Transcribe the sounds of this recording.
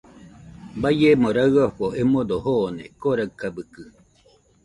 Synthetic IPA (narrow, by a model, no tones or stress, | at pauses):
bajemoɾaɯaɸoʔemod̪ohoːnekoɾakabɯkɯ